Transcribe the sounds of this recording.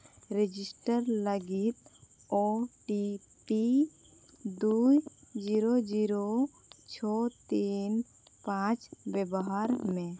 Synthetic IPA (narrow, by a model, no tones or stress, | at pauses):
ɾed͡ʒisʈəɾləɡit̪ | ɔʈi | pi | d̪ujd͡ʒiɾod͡ʒiɾo | t͡ʃʰɔt̪in | pãt͡ʃbɛbɔɦaɾmẽ